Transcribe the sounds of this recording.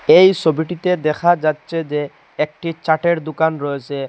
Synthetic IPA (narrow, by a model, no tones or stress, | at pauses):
ejsobiʈit̪ed̪ɛkʰad͡ʑatːsʰed͡ʑe | ɛk̚ʈit͡ɕaʈeɾd̪ukanɾɔet͡ɕʰe